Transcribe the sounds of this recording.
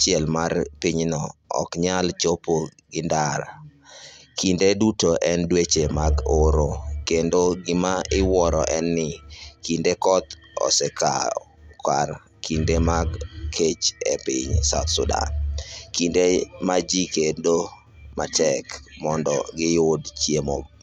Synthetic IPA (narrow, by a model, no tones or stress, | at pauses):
t͡ʃɪɛlmarpiɲnɔɔ̰kɲalt͡ʃopoɡɪndaɾ | kʰindedutoʔɛndwet͡ʃemaɡoɾokendoɡɪmaɪwɔɾɔ̰ʔɛnːɪkindekɔt̪ | ɔ̰sɛka̰ | ka̰r | kʰindemaɡkʰet͡ʃepɪ̰ɲsaʊt̪sʊda̰nkindemad͡ʒikendo | ma̰tʰɛkmɔndɔ̰ɡɪjodt͡ʃjemo̰b